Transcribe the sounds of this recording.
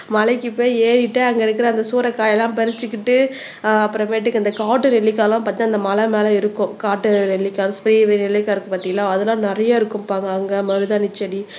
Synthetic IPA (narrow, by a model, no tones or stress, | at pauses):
mɐlɐɪkːɯpoːjeːɾɪʈːɯɐŋɡɐɪɾɯkːɪɾɐːnd̪ɐsuːɾɐkaːjɛlːãːpɛɾɪt͡ʃːɯkːɪʈːɯ | ɐpːɯɾɐ̃meːʈ̬ːɯkːɐnd̪ɐkaːʈːɯɾɛlːɪkːaːlãːpaːɾt̪inɐnd̪ɐmɐlɐmeːlɐ̃ɪɾɯkːʊ̃kaːʈːɯɾɛɭːɪkːaːlspɪɾiːʋeɾɛɭːɪkːaːɪɾɯkːɯpaːʈt̪iŋɡɐlãːɐðɐlːãːnɪɾɐjaɪɾɯkːɯmpaːŋɡɐɐŋɡɐmɐɾɯðanɪt͡ʃːɐɽi